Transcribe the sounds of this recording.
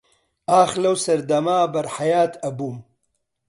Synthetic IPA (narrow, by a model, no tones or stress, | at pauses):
aːxlɐwsɐɾd̪ɐmaːbɐɾħajaːt̪ʰɐbum